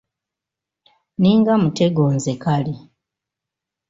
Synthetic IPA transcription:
niːŋɡamute̞ɡoːnzekali

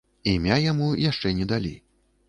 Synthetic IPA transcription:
imʲajamujaʂt͡ʂɛnʲɛd̪alʲḭ

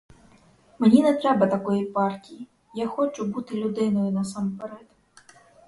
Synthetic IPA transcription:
menʲinɛt̪ɾɛbɐt̪ɐkɔjipɑrtʲiji | jaxɔt͡ʃʊbut̪ɪlʲʊd̪ɪnɔjʊnɐsɑmpeɾɛt̪

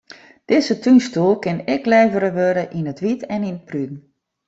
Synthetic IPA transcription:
d̥ɪzətʰynstulˠkɪnɪklɛːvəɾəʋøɾəʔinətʋitɛninət̚prydn̩

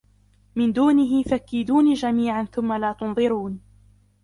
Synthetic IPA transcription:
mɪnd̪uːnɪɦɪfakːɪd̪uːnid͡ʒamiːʕanθʊmːalaːt̪ʊnðˤɨɾuːn

